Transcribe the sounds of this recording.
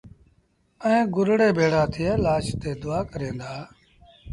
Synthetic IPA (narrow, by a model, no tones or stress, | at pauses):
əẽːɡʊɾɽeːbeːɽ̤aːt̪ʰɪjeːlaːʃt̪eːd̪ʊaːkəɾẽːnd̪aː